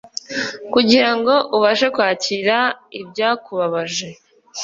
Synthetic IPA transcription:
kuɟiɾaŋɡo̞ʔuβaʃe̞kwaːciɾaibɟaːkuβaβaʒe̞

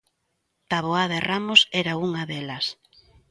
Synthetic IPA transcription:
t̪aβoaðerʔamʊsɛɾauŋaðelɐs

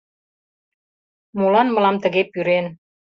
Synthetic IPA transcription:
molɑnmɤ̆lɑmt̪ə̆ɣepyɾen

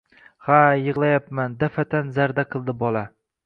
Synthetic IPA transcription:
hajɨʁlˠajapmand̪afat̪ʰanzaɾd̪aqʰɨlˠd̪ɪbɒla

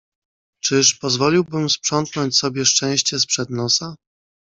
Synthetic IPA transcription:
t͡ʂɘʂpɔzvɔlʲiwbɘmspʂɔnt̪nɔɲt͡ɕsɔbʲjɛʂt͡ʂɛ̃w̃ɕt͡ɕɛspʂɛd̪nɔsa

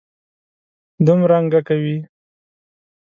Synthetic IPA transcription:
d̪umɾaŋɡakawi

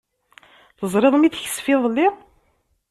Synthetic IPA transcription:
θəzˤɾeðˤmiθçə̥sfiðˤlːi

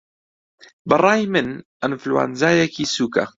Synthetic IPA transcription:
bɨrˤɑːjmɨn | ɪnfluwa̰ːnzaːjɛkiːsuːka̰

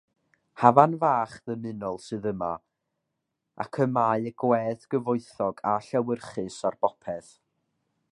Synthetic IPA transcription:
havanvaːχðəmɨnɔlˠsɨðəma̰ | a̰kʰəmaːɨəɡwɛðɡ̥əvʊɨθɔɡaɬɛwərχɨsarb̥ɔpʰɛθ

